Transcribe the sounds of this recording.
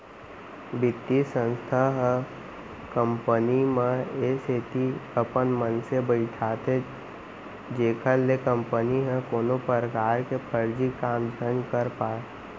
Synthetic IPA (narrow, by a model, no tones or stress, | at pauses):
bɪt̪ːisə̃nst̪ʰaɦɛ̃ | kə̃mpənimẽeseːt̪iəpənmənsebəɪʈʰaːt̪ʰe | d͡ʒeːkʰəɾːekə̃mpəniɦɛ̃koːnopəɾəkaːɾkepʰəɾd͡ʒikaːmd͡ʒʱənkəɾpaːe